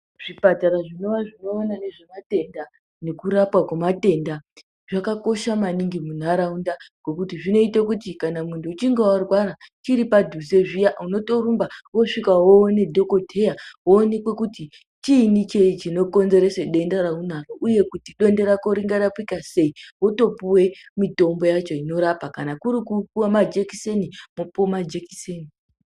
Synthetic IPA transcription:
ʐ̥ipataɾaʐino̞ʋaʐino̞ːnane̞ʐemate̞nda | ne̞kuɾapwakemate̞nda | ʐakako̞ʃamaniŋɡimun̤aɾaundaɡ̥o̞kutiʐino̞itak̬utikanamuntʰuːt͡ʃiŋɡewarwaɾat͡ʃiɾipadʱuze̞ʐijauno̞to̞rumbawoʂikawowone̞dʱo̞ko̞te̞jaɦoːne̞kwekuti | t͡ʃinit͡ʃe̞it͡ʃino̞ko̞nze̞ɾe̞seɗe̞ndaɾaun̤aroʔuje̞kutiɗo̞nde̞ɾakoɾiŋɡaɾapikase̞iwoto̞puwe̞mito̞mbo̞jat͡ʃo̞ino̞ɾapakanakuɾikupuwamad͡ʒekisenimupomad͡ʒeki̥seni

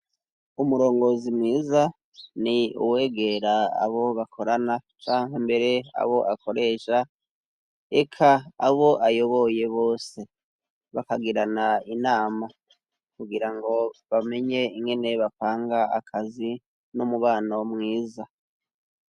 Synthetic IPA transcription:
umuɾo̞ːŋɡo̞zimŋiːza | niṵwe̞ːɡe̞ɾaa̰βo̞βakʰo̞ɾanat͡ʃaːŋhembe̞ɾe̞a̰βo̞ʔakʰo̞ɾe̞ːʃa | ekʰaːβo̞ʔajo̞βo̞je̞βoːse̞ | βakaɡiɾanainaːma | kuɡiɾaŋɡo̞βame̞ɲe̞iŋɡe̞ne̞βapaːŋɡaa̰kʰazi | nomuβaːnomŋiːza

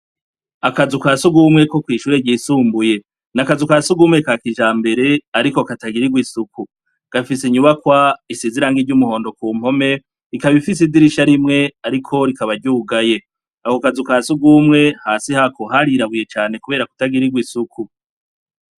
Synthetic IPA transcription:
akazukasuɡuːmŋe̞ko̞kwiːʃuːɾeɟiːsuːmbuje̞ | nakazukaːsuɡuːmŋekakiʒaːmbe̞ɾe̞aɾiko̞kataɡiɾiɡwisuku | ɡ̥afisiɲuβakwaisiziɾaŋɡiɾɟumuho̞ːndo̞kuːm̥ho̞me̞ | ɾikaβifis̬idiɾiʃaɾimŋe̞aɾikʰo̞ɾikaβaɾɟuːɡaje̞ | ahokazukaːsuɡuːmŋe̞haːsihakoɦaɾiɾaβuje̞t͡ʃaːnekuβe̞ːɾaku̥taɡiɾiɡwisuku

